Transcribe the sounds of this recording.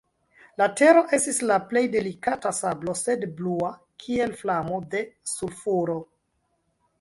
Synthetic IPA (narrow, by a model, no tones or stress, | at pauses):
late̞ɾo̞ʔe̞stislaple̞jde̞likatasablo̞se̞dblua | kʰie̞lflamo̞de̞sulfuɾo